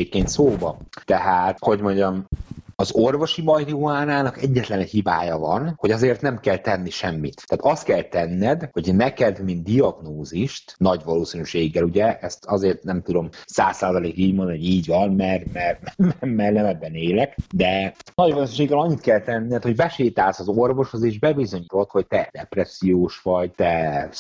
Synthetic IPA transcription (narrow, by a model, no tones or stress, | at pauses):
ekkːeːnt̪soːbɒt̪ɛɦaːt̪ho̞ɟmoɲɟɒmɒzorvo̞ʃibɒjt̪oːaːnaːnɒkɛɟːɛt̪lɛnɛchibaːjɒvɒnho̞ɟɒzeːrt̪nɛmkɛlt̪ɛnːiʃɛmːit̪ːaːt̪ɒst̪̚kɛlt̪ɛnːɛd̪ho̞ɟnɛkɛd̪mind̪d̪iɒɡnoːziʃt̪nɒɟvɒloːsinyʃeːɡːɛluɟɛʔɛst̪ɒzeːrt̪nɛmt̪ud̪o̞msaːsːaːzɒleːkiːɟmond̪ɒnhoɟiːɟvɒnmɛrmɛrmɛmɛrnɛmɛbɛneːlɛkd̪ɛnɒɟʋɒloːsinʃeːɡːɛlɒɲːit̪kɛlt̪ɛnːiɛt̪ho̞ɟbɛʃeːt̪aːlsɒzo̞rvo̞ʃhozeːʒbɛbizo̞ɲiːt̪o̞t̪ho̞c̚t̪ɛd̪ɛprɛsːijoːʃʋɒɟt̪ɛs